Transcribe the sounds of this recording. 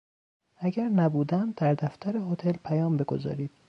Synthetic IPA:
æɟæɾnæbuːd̪ænd̪æɾd̪æft̪ʰæɾehot̪ʰe̞lpʰæjɒːmbe̞ɡo̞̰zɒ̰ːɾiːd̪̥

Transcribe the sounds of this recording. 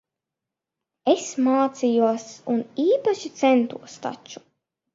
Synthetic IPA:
esmaːt̪sijuɔsuniːpaʃit̪sɛnt̪uɔst̪a̰t͡ʃu̥

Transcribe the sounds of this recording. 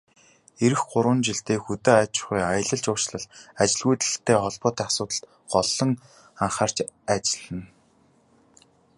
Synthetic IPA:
eɾɘ̆xɢʊɾwə̆nt͡ɕiɬt̪eːxut̪eːat͡ɕɪ̥χujaj̆ɮə̆ɮt͡ɕʊ̥ːt͡ɕɮə̆ɮat͡ɕɪ̆ɮɣujt̪ɮɘ̆xt̪ʰeːχɔɮpɔːt̪æːasʊːt̪ə̆ɬt̪ | ɢɔɮɞ̆ŋ | aɴχaːr̥t͡ɕ | at͡ɕɪ̆ɮɘ̆n

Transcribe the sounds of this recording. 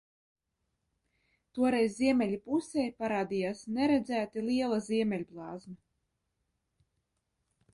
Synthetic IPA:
t̪uɔɾɛjzːiɛmʲɛlʲipusɛjpaɾaːd̪ijaːsnɛɾɛd̪zæːt̪ilˠiɛlˠazʲiɛmʲɛlʲblˠɑːzmɛ

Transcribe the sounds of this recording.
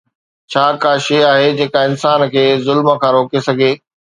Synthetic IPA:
t͡ɕʰaːkaːʃeaːɦed͡ʑeːkãɪnsaːnkʰeːzʊlməkʰãːɾoːkesɐɡʱeː

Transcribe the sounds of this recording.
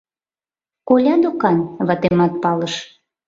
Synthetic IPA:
kolʲɑd̪okɑnβɑt̪emɑt̪̚pɑləʃ

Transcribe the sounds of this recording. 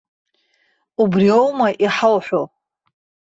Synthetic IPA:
ubriowmaʔiħawħʷᶣo

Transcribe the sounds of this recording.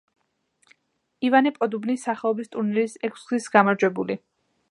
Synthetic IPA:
ivanipʼɔd̪ubnisaχɛɔbist̪ʼuɾnɛlisɛkʰsɡlisɡamaɾd͡ʒwɛbuli

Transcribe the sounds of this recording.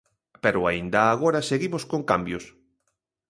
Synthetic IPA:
peɾʊaind̪ɐːɣ̞oɾaseɣimoskoŋkambjʊs

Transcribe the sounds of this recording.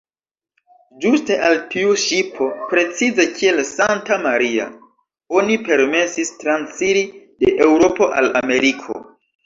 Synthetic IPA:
d͡ʒuste̞ʔaltiuʃipʰo̞pɾe̞t͡size̞kʰie̞lsantamaɾia̰ | o̞nipe̞ɾme̞sistɾansiɾide̞ʔewɾo̞po̞ʔalame̞ɾikʰo̞̰

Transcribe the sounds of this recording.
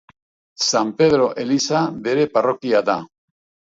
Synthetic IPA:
sampe̞ð̞ɾo̞ʔe̞lisabe̞ɾe̞paro̞kiaða

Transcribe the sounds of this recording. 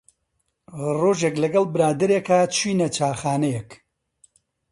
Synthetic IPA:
roːʒeklɐɡɐlˠbɨɾaːd̪ɐɾekat͡ʃʰwiːnɐt͡ʃaːxaːnɛjɛk

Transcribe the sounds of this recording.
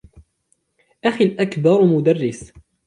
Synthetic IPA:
ʔaxilʔakbɑɾˤmʊd̪ɑrˤːɪs

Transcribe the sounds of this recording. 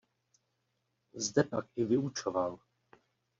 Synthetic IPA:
zdɛpakɪvɪut͡ʃoval

